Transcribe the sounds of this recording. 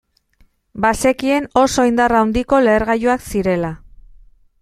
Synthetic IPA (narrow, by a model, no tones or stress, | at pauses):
base̞kie̞no̞so̞ind̪arawnd̪iko̞le̞ːɾɣajoaksiɾe̞la